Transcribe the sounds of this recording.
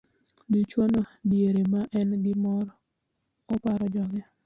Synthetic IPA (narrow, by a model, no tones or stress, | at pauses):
nit͡ʃwonodjeɾemaʔɛnɡɪmɔɾ | ɔpaɾɔd͡ʒɔɡɛ